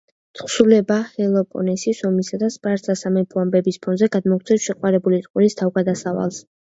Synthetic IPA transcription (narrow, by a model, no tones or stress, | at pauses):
t̪ʰχsulɛbahɛlˠɔpʼɔ̰nɛsisɔmisad̪aspʼaɾt̪zʰasamɛpʰuambɛbispʰɔnzɛɡad̪mɔkʰt̪ʰɛsʃɛqʼwaɾɛbulit̪ʼqʼunist̪ʰavɡad̪asava̰lˠs